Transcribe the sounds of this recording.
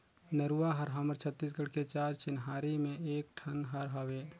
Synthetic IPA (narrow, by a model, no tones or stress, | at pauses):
nəɾuaɦəɾɦɔməɾt͡ʃʰət̪ːiːs̬ɡəɽket͡ʃaːɾt͡ʃɪnɦaːɾimẽeːk̚ʈʰənɦəɾɦoʋeː